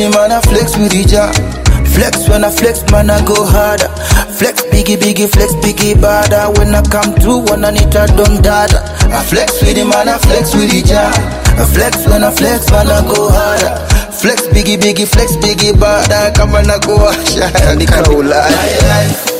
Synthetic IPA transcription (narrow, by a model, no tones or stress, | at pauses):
imanaflɛkswidid͡ʒa | flɛkswɛ̃naflɛksmanaɡoɦada | flɛksbiɡibiɡiflɛksbiɡibadawɛ̃nakãmtɹuwãnanitadɔ̃ndada | aflɛkswidimanaflɛkswiid͡ʒa | aflɛkswɛ̃naflɛksmanaɡohada | flɛksbiɡibiɡiflɛksbiɡibadakãmanaɡoaʃaadikala